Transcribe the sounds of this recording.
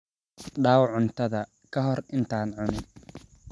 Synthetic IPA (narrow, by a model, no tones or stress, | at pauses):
ɖaːwʕʊnt̪ʰɐðɐ | kʰɐɦɔrɪnt̪ʰaːnʕʊnɪn